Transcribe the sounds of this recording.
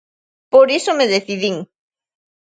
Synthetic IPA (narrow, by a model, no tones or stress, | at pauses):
poɾisomeðeθiðiŋ